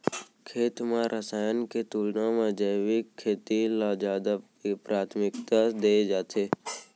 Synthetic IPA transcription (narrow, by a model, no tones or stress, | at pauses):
kʰeːt̪mãɾʔəsaːjənket̪uːlnamẽd͡ʒəwikʰːeːt̪ilad͡ʒaːd̪a | pɾaːt̪ʰmɪkt̪ad̪ed͡ʒaːt̪eː